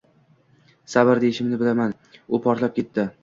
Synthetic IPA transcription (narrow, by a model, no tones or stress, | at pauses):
sabaɾd̪eɪʃɪmnɪbɪlaman | ʊpʰɒɾt̪lap̚kʲe̞t̪ːɪ